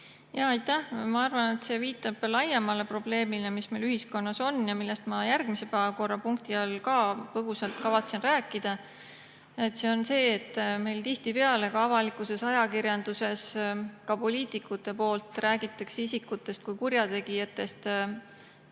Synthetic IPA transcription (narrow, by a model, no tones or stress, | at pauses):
jɑɑjt̪ːæhmɑɑrvɑne̞t̪se̞ːviːt̪ːˑɑb̥lɑjemɑle̞pro̞b̥le̞ːmile̞mismejlyɦisko̞nːɑso̞nːjɑmilːe̞st̪mɑjærɡ̥mise̞pæːvɑko̞rːɑpuŋk̚t̪iɑlkɑːpɤɦusɑlt̪kɑvɑt̪senræːkːˑid̪̥ɑ | et̪ːˑse̞o̞nse̞ːt̪ˑːme̞jlt̪iht̪ipe̞ɑle̞kɑɑvɑlikˑuse̞sɑjɑkiɾjɑnd̪̥use̞skɑpo̞lʲiːt̪ikːˑut̪ˑːe̞po̞ːlt̪ˑræːɡ̥it̪ːˑeksisikːut̪ːˑe̞st̪̚kujkuɾjɑt̪e̞ɡijɑt̪ːˑe̞st̪